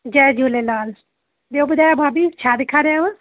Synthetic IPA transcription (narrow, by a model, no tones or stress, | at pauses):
d͡ʒɛːd͡ʒuːlelaːl | d̪eobʊd̪aːjabʱaːbit͡ʃʰaːd̪ɪkʰaːɾeaʋə